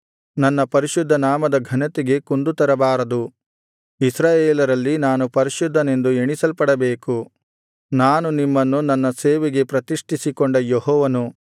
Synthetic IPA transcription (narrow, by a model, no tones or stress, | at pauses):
nɐnːɐpɐɾiʃud̪ʱːɐnaːmɐd̪ɐɡʱɐnɐt̪iɡe̞kund̪ut̪ɐɾɐbaːɾɐd̪u | isɾaːjeːlɐɾɐlːinaːnupɐɾiʃud̪ʱːɐne̞nd̪ueɳisɐlpɐɽɐbeːku | naːnunimːɐnːunɐnːɐseːʋeɡe̞pɾɐt̪iʂʈʰisikɔɳɖɐjɔɦɔːʋɐnu